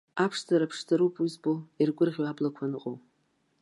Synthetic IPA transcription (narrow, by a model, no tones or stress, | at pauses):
apʰʂzaɾapʰʂtʰaɾupʼuzboirɡʷʊrʁʲwablakʷʰanɨqʼow